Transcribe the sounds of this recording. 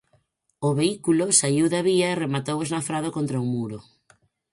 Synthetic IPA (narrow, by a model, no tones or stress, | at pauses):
ʊβeikulʊsaiwðaβiɐeremat̪oweznafɾaðokont̪ɾɐuŋmuɾo